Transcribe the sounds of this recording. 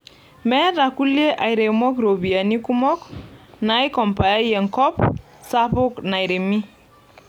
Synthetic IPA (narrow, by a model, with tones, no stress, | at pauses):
mɛ˦ɾa˨ku˦lje˦ʔa˨jɾe˨mɔ˦kɾo˨bi˨a˨ni˦ku˦mɔ˦kna˨˦i˦kɔ˨mpa˨ja˦jɛ˨ŋkɔ˦p | sa˦pʊ˦kna˨jɾe˨mi˦